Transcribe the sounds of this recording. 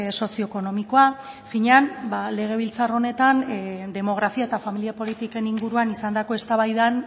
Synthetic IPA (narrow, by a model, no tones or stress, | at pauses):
so̞sio̞eko̞no̞miko̞a | fiɲeanbale̞ɣ̞e̞β̞ilt͡saro̞ne̞t̪and̪e̞mo̞ɣ̞ɾafiae̞t̪afamiliapo̞lit̪ike̞niŋɡuɾuanisand̪ako̞e̞st̪aβajðan